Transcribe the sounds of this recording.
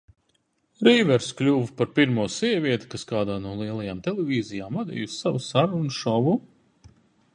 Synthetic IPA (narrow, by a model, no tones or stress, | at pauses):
ɾiːvɛɾsklʲuːvpaɾpiɾmuːsiɛvʲiɛt̪i̥kaskaːd̪aːnuɔlˠiɛlˠajaːmt̪ɛlˠevʲiːzʲijaːmvad̪ḭːjusːavusaɾunʃɔvu